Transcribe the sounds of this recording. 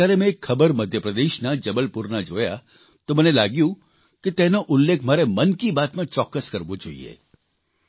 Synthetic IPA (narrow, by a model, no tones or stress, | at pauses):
aːɾemẽeːkʰːəbəɾməd̪ʱjəpɾəd̪eːʃnad͡ʒəbəlpuɾnad͡ʒoːja̰ | t̪omənelaːɡjũ | ket̪ɛ̃noʔʊlːekʰm̤aːɾemənkibaːt̪mãt͡ʃɔːkːəskəɾʋod͡ʒo̰ːḭḛ